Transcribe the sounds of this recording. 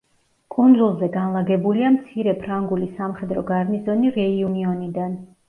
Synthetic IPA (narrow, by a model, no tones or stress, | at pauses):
kʼund̪zulˠzɛɡanlˠaɡɛbuliamt̪sʰiɾɛpʰɾaŋɡulisamχɛd̪ɾɔ̰ɡaɾnizɔniɾɛiuniɔnid̪an